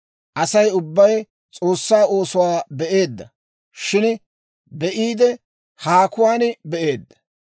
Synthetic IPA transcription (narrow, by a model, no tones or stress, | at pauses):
ʔɐsɐjʊbːɐj | t͡sʼo̞ːsːaːo̞ːsʊwaːbɛʔe̞ːd̪ːɐ | ʃɪn | bɛʔiːd̪ɛ | haːkʊwaːnbɛʔe̞ːd̪ːɐ̥